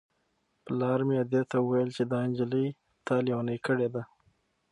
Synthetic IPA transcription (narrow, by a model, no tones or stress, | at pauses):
plɑɾmejed̪et̪aəwajəlt͡ʃed̪ɑɪnd͡ʒələj | t̪ɑliwɑnəjkəɽed̪a